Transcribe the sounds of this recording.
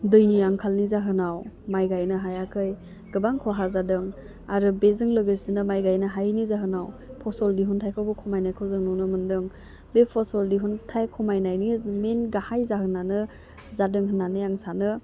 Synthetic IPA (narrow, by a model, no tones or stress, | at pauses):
dɯjniaŋkʰalnizaɦɯnawmajɡajnɯɦajakʰɯj | ɡ̥ɯbaŋkʰɔɦazadɯŋ | aɾɯbezɯŋlɯɡɯjsinɯmajɡajnɯɦajnizaɦɯnawpʰɔsɔldiɦuntʰajkʰawbɯkʰɔmajnajkʰawzɯŋnunɯmɯndɯŋ | bepʰɔsɔldiɦuntʰajkʰɔmajnajnimenɡahajzahɯnanɯ | zadɯŋɦɯnaniaŋsanɯ